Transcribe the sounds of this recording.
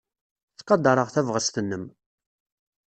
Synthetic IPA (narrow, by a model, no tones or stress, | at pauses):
θqɑd̪ɑɾˤəʁθævʁəst̪ənːəm